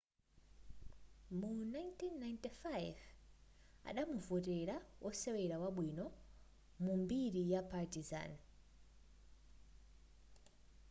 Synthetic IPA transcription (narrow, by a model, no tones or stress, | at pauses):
munajntinːajntifajv | a̰ɗamuvɔtɛɾawʔɔsɛwɛɾawaɓwinɔ | mumbiɾijapatiza̰n